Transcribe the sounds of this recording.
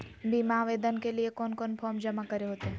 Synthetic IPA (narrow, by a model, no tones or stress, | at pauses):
bʱimaʋeːd̪ənkeliekɔːnkɔːnpʰɔːmd͡ʒəmakəɾeɦoːt̪eɦ